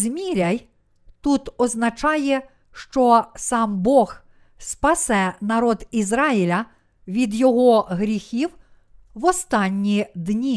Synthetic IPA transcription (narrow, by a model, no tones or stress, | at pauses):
zmʲiɾʲɐj | t̪ut̪ɔznɐt͡ʃɑjɛ | ʃt͡ʃɔsɑmbɔɣ | spɐsɛnɐɾɔd̪izɾɑilʲɐ | ʋʲid̪jɔɦɔɦɾʲixʲiw | wɔst̪ɑnʲːid̪nʲi